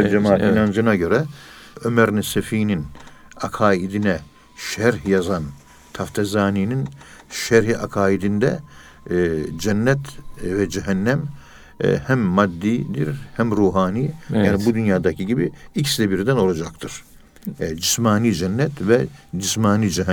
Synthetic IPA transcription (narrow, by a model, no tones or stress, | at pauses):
ɛd͡ʒɛmaːt̪ʰinand͡ʒɯnaɟø̞ɾɛømæɾnɛsefiːninakʰaːid̪inɛ | ʃæɾhjazan | t̪ʰaft̪ʰezaːniːnin | ʃæɾɦiʔakʰaːid̪ind̪ɛ̰ | d͡ʒɛnːɛt̪vɛd͡ʒɛɦɛnːæm̰ | hæmːad̪ːiːd̪iɾhæmɾuːɦaːniːjaːnibud̪ynjaːd̪acʰiɟibiicslɛbiɾd̪æno̞lˠad͡ʒakt̪ʰɯɾ̥ | d͡ʒismaːniːd͡ʒɛnːɛt̪vɛd͡ʒismaːniːd͡ʒɛɦ